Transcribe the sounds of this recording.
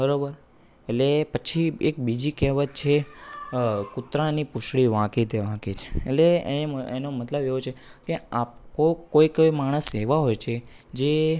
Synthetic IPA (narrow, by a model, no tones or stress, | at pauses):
bəɾobəɾ | etlepət͡ʃʰiek̚bid͡ʒikɛɦʋət̪̚t͡ʃʰe | kut̪ɾanipʊʃɽiʋãkit̪ʰeʋãkit͡ʃʰe̥̰ːtleenomət̪ləbeʋot͡ʃʰekeapkokojkojmaɽ̃əseʋaɦojt͡ʃʰe | d͡ʒe